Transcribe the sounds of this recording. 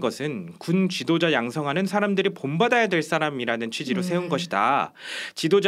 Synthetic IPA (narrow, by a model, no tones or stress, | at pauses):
ɡʌsʰɯnkunt͡ɕidod͡ʑajaŋsʰʌŋɦanɯnsʰaɾamdɯɾipombadajadwe̞ɭs͈aɾamiɾanɯnt͡ɕʰɥid͡ʑiɾos̬ʰe̞unɡʌɕʰida̰ | t͡ɕidod͡ʑ